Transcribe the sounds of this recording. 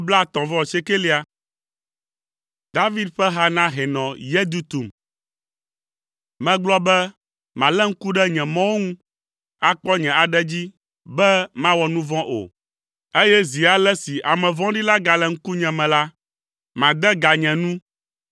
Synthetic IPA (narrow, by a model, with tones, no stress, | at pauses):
bla˦˨t̪ɔ̃˨vɔ̃˦˨se˦ke˦li˦a˨ | d̪a˦vi˦d̪ɸɛ˦ɦa˦nã˦ɦɛ˨nɔ̃˨jɛ˦d̪u˦t̪u˨m | mɛ̃˨ɡ͡blɔ˦bɛ˦ | mã˨lɛ˦ŋ̩˦ku˦ɖɛ˦ɲɛ̃˨mɔ̃˦wo˦ŋũ˦ | a˨k͡pɔ˦ɲɛ̃˨a˨ɖɛ˦d͡ʑi˦ | bɛ˦mã˦wɔ˨nũ˦vɔ̃˦ʔo̰˨ | e˦jɛ˦zi˨a˨lɛ˦si˨ʔa˨mɛ̃˨vɔ̃˦ɖi˦la˦ɡa˨lɛ˨ŋ̩˦ku˦ɲɛ̃˨mɛ̃˨la˦ | mã˨d̪ɛ˦ɡa˨ɲɛ̃˨nũ˦